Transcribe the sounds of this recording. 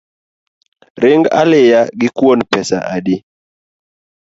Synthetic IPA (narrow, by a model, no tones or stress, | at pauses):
rɪŋɡa̰lɪjaɡɪkwonpɛsa̰ʔadɪ